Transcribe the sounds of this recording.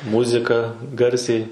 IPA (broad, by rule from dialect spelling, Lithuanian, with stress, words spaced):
ˈmʊzʲɪkɐ ˈɡɐrʲsʲɛɪ